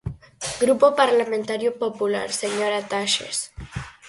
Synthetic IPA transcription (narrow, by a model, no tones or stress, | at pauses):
ɡɾupopaɾlamẽnt̪aɾjopopula̰ɾseɲoɾat̪aʃḛs